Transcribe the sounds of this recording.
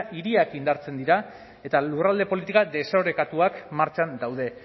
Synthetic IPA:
ʔiɾiakind̪aɾt͡se̞nd̪iɾa | e̞t̪alurald̪e̞po̞lit̪ikad̪e̞saɾe̞kat̪uakmaɾt͡ʃand̪awðe̞

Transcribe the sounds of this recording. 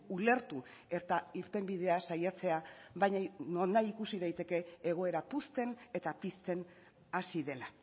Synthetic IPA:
ule̞ɾt̪u | e̞ɾt̪aiɾt̪e̞mbið̞e̞asajat͡se̞aβajɲanonaikusið̞ajt̪e̞ke̞ːɣ̞o̞e̞ɾapust̪e̞ne̞t̪apist̪e̞n | asiðe̞la

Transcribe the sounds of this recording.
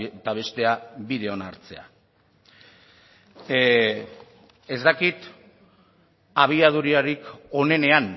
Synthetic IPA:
t̪aβ̞e̞st̪e̞aβið̞e̞o̞naɾt͡se̞̰a̰ | e̞zd̪akit̪ | aβ̞iað̞uɾiaɾiko̞ne̞ne̞an

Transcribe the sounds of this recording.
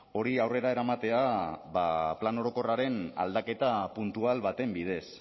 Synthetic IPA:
o̞ɾiawre̞ɾae̞ɾamat̪e̞aβaplano̞ɾo̞ko̞raɾe̞na̰ld̪ake̞t̪apunt̪ualβat̪e̞mbið̞e̞s

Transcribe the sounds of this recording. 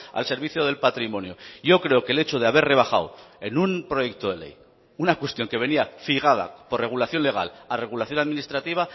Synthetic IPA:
a̰lse̞ɾβ̞iθjoð̞e̞lpat̪ɾimõ̞njoʝo̞kɾe̞okele̞t͡ʃoð̞eaβe̞re̞β̞axa̰we̞numpɾo̞je̞k̚t̪oðe̞le̞̰j | unakwe̞st̪jo̞ŋke̞β̞e̞niafiɣ̞að̞a̰po̞rre̞ɣ̞ulaθjo̞nle̞ɣ̞a̰lare̞ɣ̞ulaθjo̞naðminist̪ɾat̪iβ̞a

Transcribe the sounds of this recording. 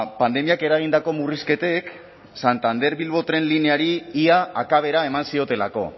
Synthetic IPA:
pand̪e̞miake̞ɾaɣ̞ind̪ako̞muriske̞t̪e̞k | sant̪and̪e̞ɾβilβo̞t̪ɾe̞nlineaɾiiaakaβ̞e̞ɾaemansio̞t̪e̞lako̞̰

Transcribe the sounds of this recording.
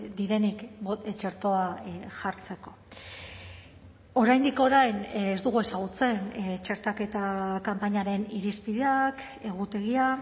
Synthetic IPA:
d̪iɾe̞nikt͡ʃe̞ɾt̪o̞aʝaɾt͡se̞ko̞̥ | o̞ɾajnd̪iko̞ɾajnezd̪uɣue̞saɣ̞ut͡se̞nt͡ʃe̞ɾt̪ake̞t̪akampaɲaɾe̞niɾispiðeak | e̞ɣ̞ut̪e̞ɣ̞ia

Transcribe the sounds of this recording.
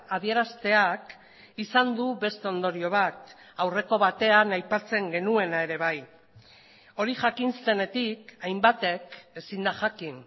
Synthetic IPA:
aðie̞ɾast̪e̞ak | isand̪uβe̞st̪o̞nd̪o̞ɾio̞βat̪ | awre̞ko̞β̞at̪e̞anajpat͡se̞ŋɡe̞nue̞nae̞ɾe̞β̞aj | o̞ɾiʝakinst̪e̞ne̞t̪ikajmbat̪e̞ke̞sind̪aʝakin

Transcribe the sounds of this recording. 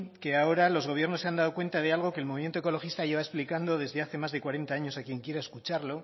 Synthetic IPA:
keao̞ɾalo̞zɣ̞o̞β̞je̞ɾnoseand̪aðokwe̞nt̪að̞e̞alɣ̞o̞ke̞ːlmoβimjet̪oeko̞lo̞xist̪aʝe̞βae̞splikand̪o̞ðe̞zðe̞aθe̞mazðe̞kwaɾe̞nt̪aaɲo̞sakje̞ŋkje̞ɾaeskut͡ʃaɾlo̞

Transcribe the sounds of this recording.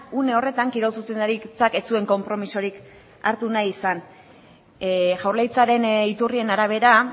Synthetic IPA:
une̞o̞re̞t̪aŋkiɾo̞lsuse̞nd̪aɾit͡sake̞t͡sue̞ŋko̞mpɾo̞miso̞ɾik | aɾt̪unajisan | ʝawrlejt͡saɾe̞nit̪urie̞naɾaβ̞e̞ɾa

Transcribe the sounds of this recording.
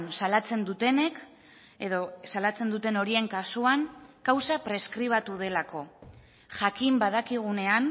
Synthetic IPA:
nsalat͡se̞nd̪ut̪e̞ne̞k | e̞ðo̞salat͡se̞nd̪ut̪e̞no̞ɾie̞ŋkasuaŋkawsapɾe̞skɾiβ̞at̪uð̞e̞lako̞ | ʝakimbaðakiɣ̞une̞an

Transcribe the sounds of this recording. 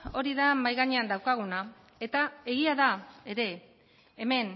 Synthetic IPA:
o̞ɾiðamajɣaɲe̞and̪awkaɣ̞una | e̞t̪ae̞ɣiaðae̞ɾe̞ː | me̞n

